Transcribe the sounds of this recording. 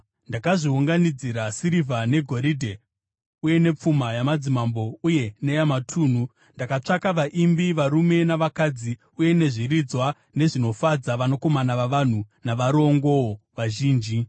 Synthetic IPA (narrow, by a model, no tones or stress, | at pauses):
ndakaʐiuŋɡanid͡ziɾasiɾivʱane̞ɡʱo̞ɾidʱe̞ | uje̞ne̞p͡fumajamad͡zimambo̞uje̞nejamatʰuːn̤u | ndakat͡ʂakaʋaʔimbiʋaɾume̞naʋakad͡zi | uje̞ne̞ʐirid͡zwa | ne̞ʐino̞fad͡zaʋano̞ko̞manaʋaʋan̤unaʋaɾo̞ŋɡo̞oʋaʒiːnd͡ʒi